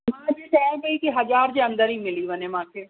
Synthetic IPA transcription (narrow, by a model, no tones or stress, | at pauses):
mãːd͡ʒeʈɛːɡəiːkiɦəd͡ʒaːɾd͡ʒeə̃nd̪əɾiːmɪliːʋənẽːmãːkʰeː